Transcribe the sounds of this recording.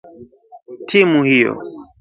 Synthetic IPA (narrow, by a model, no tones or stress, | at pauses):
tʰimuhijɔ̰